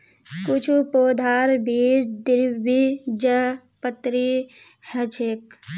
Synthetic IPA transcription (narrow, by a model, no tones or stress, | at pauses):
kʊt͡ʃʰupoːd̪ʱaːɾbʱiːd͡ʒd̪ɪɾbid͡ʒə | pət̪ɾi | hɐt͡ʃʰek